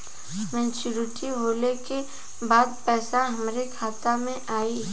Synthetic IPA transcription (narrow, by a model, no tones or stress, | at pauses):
mɛ̃ːnt͡ʃuɾɪʈiboːleke | baːd̪̚pɛːsaɦɐmɾekʰaːt̪amẽʔaːi